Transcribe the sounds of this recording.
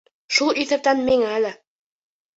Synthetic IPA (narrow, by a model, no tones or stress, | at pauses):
ʃulˠiθɘ̆p̚t̪ænmiŋæːlɘ